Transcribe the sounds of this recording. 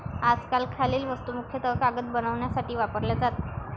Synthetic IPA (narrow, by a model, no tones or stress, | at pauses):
ad͡zkalkʰaleːlʋəst̪umukʰjət̪əkaɡət̪̚bənəʋɳjasaʈiːʋapəɾljad͡zat̪